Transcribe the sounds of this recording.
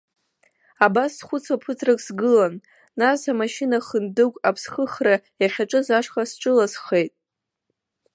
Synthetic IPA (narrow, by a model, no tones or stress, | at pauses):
abasːχʷʊt͡sʰapʰɨtʰrakʼsɡɨlanː | asamaʃinaχəndɨkʷʼapʰsχəχrajaχʲaʈ͡ʂʼɨzaʂχasʈ͡ʂʼɨlasχejtʼ